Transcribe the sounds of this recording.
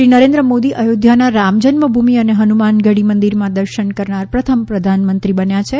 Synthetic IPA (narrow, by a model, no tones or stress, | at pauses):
ɾinəɾẽnd̪ɾəmod̪iʔəjod̪ʱjanaɾamd͡ʒənməbʱumiəneɦənumanɡəɽimənd̪iɾmãd̪əɾʃəɳkəɾɳaɾpɾət̪ʰəmpɾəd̪ʱanmənt̪ɾibənjat͡ʃʰe